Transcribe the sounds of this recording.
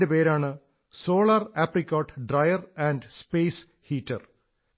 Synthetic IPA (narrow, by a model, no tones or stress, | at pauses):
depe̞ːɾaːɳɨ | so̞ːɭɐraprikʲːoːʈːɖrɐjɐræːnɖspeːs | hiːtːɐ̰r